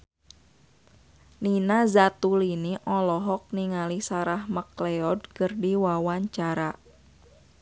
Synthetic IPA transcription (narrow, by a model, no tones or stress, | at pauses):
ninazat̪uliniʔɔlɔɦɔk̚niŋalisaɾahməklɛɔdkərdiwawaɲt͡ʃaɾa